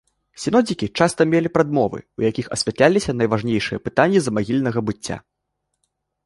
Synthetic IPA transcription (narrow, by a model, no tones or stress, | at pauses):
sʲin̪ɔd͡zʲikʲit͡ʂast̪ɐmʲelʲipɾad̪mɔvɨ̰ujakʲixɐ̰sʲvʲat̪lʲalʲisʲɐnɐjvaʐnʲejʂɨjɐpɨt̪anʲːizɐmaɣʲilʲnɐɣɐbɨt͡sʲːa̰